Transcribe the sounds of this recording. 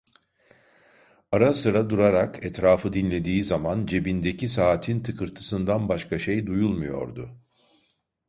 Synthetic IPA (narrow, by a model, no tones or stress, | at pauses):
aɾasɯɾad̪uɾaɾakʰɛt̪ɾaːfɯd̪inlʲe̞d̪iːzamand͡ʒe̞bind̪e̞cisaːt̪ʰint̪ʰɯkʰɯɾt̪ʰɯ̥sɯnd̪anbaʃkʰaʃejd̪ujulˠmujo̞̰ɾd̪ʊ